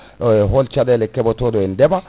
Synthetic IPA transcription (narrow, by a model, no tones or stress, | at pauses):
ɦolt͡ʃad̪elɛkːɛbɔt̪od̪ɔɪnd̪ɛba